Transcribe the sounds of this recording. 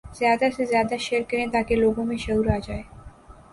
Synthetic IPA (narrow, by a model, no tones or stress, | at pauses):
z̥jad̪asezjad̪aʃeɾkenet̪akeloɡomeʃəwɾad͡ʑae